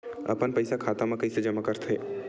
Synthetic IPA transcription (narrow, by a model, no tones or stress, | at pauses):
ɐ̰pənpəɪsakʰaːt̪amãkɐised͡ʒɐmakəɾt̪ɦeː